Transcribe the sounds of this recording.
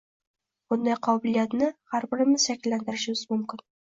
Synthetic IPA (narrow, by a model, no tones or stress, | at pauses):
bund̪ɑjqʰɑbɘ̆lijat̪nɘhæɾbɘ̆ɾɘmɘzʃæklːænd̪ɘ̆ɾʑɪ̆wzmɵmkʲɪn